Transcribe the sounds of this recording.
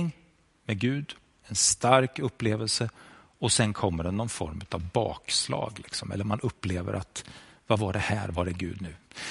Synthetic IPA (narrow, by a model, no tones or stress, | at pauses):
ŋ | mɛɡʉ̟ːd̪ | ɛnst̪aɾkɵpːleːvəlsə | ɔsɛnkʰɔmːəɖɛnɔnfɔɾmʉ̟ːt̪avbɑ̰ːkslɑ̰ːɡlɪksɔmʔɛ̰lːəɾmanɵpːleːvə̰ɾʔat̪vavaɖɛhæːɾvaɖɛɡʉ̟ːd̪nʉ̟ː